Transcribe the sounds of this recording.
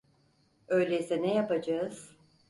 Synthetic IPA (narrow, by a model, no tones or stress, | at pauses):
ø̞jlʲeizɛnejapad͡ʒaɯz̥